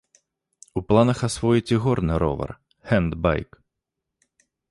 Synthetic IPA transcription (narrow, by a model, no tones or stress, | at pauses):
uplˠanɐxasvɔjit͡sʲɛɣɔrnɨɾɔ̰vɐ̰r | hɛnd̪ba̰jk